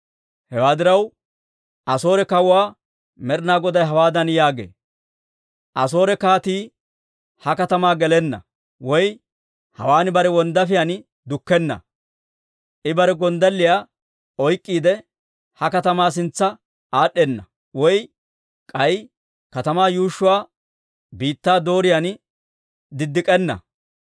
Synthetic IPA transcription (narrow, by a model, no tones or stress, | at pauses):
hɛwaːd̪ɪɾɐw | ʔɐso̞ːɾɛkɐwaː | mɛɾnaːɡɔd̪ɐjɦɐwaːd̪ɐnjaːɡḛː | ʔɐs̬o̞ːɾɛkaːt̪iː | hɐkɐt̪ɐmaːɡɛlɛnːɐ̰ | wɔj | hɐ̰waːnɪbɐɾɛwɔnd̪ɐfɪjan | d̪ʊkːɛnːɐ̰ | ʔɪbɐɾɛɡɔnd̪ɐlːɪjaː | ɔjkʼːiːd̪ɛ | hɐkɐt̪ɐmaːs̬ɪnt͡sːɐ | aːɗːɛnːɐ | wɔj | kʼɐj | kɐt̪ɐmaːjuːʃːʊwaː | biːt̪ːaːd̪o̞ːɾɪjan | d̪ɪd̪ːɪkʼɛnːɐ̰